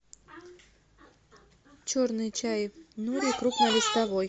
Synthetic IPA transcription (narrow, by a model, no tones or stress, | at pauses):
t͡ɕoɾnɨjt͡ɕajnuɾʲikɾupnɐlʲɪst̪ɐvoj